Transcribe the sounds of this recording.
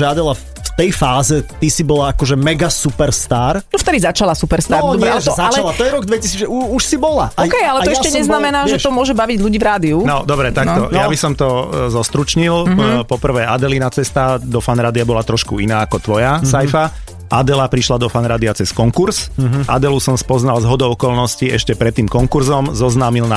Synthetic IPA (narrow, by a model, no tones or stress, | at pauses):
ʒɛad̪ɛla | ft̪ɛjfaːzɛt̪isibɔlaakɔʒɛmɛɡasupɛɾst̪aːɾnɔft̪ɛd̪izat͡ʃalasupɛɾst̪aːɾɲɛʒzalt͡ʃaɛlat̪ɔjɛɾɔɡd̪ʋɛcisiːd͡zʒɛuuʃsibɔlaʔaɔkɛjalɛaj̪ɔɛʃacɛɲɛznamɛnaːʒɛʃɔmʊɔʒɛbaʋiɟʎuɟiːvɾaːd̪iunɔd̪ɔbɾɛt̪ak̪ɔjabisɔmt̪ɔzɔst̪ɾut͡ʃɲilpɔpr̩ʋɛːad̪ɛlinat͡sɛst̪ad̪ɔfanɾaːd̪iabɔlat̪ɾɔʃkuinaːakɔt̪ʋɔjasajfa | ad̪ɛlapɾiʃlad̪ɔfanɾaːd̪iat͡sɛskɔŋkuɾz̥ʔa̰d̪ɛlusɔmspɔznalzɦɔd̪ɔʊɔkɔlnɔsciɛʃcɛpɾɛt̪ːiːmkɔŋkuɾzɔmzɔznaːmilna